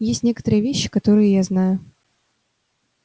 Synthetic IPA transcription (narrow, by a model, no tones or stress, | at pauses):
jesʲtʲnʲe̞kə̥t̪əɾɨjəvʲeɕːɪ̥kɐt̪o̞ɾɨjɪjaznajʊ